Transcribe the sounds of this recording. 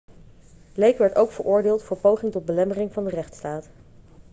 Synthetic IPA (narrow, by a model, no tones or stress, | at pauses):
lejkʋɛɹtowkfəɹʔʊːɹdɪːlˠtfʊːɹpowχɪŋtɔd̚bəlɛmərɪŋvɑndərɛχtstaːt